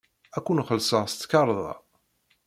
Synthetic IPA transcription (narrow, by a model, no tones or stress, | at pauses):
ækʷːunχəlsəst̪ːkɑɾˤðˤɑ̰